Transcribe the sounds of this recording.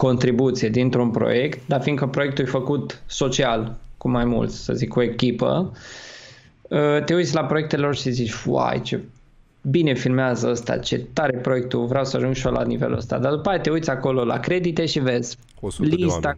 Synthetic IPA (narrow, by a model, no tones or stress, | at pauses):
ko̞nt̪ɾibut̪sijed̪int̪ɾunpɾo̞̰je̞kt̪̚d̪afin̚kəpɾoe̞k̚t̪ujfəkut̪so̞t͡ʃialkumajmṵlt̪sʲsə̰zikʰo̞e̞kʲipə̰ | ət̪e̞ujt̪sʲlapɾo̞jekt̪elelorʃizit͡ʃʲfwa̰jt͡ʃe̞ | bine̞filmeazəəst̪a̰t͡ʃe̞t̪aɾe̞pɾo̞je̞k̚t̪uvɾeawsəaʒuŋd͡ʒʃiolʔa̰nive̞̰lṵə̰st̪a̰d̪ad̪upajat̪e̞ujt̪sʲako̞lo̞la̰kɾe̞d̪it̪e̞ʃive̞z̥ʲ | list̪a